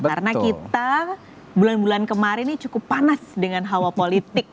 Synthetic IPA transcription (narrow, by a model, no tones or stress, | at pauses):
aɾənakit̪a | bulanbulankəmaɾɪnːit͡ʃukʊpːanasdəŋanɦawapolit̪ɪk̚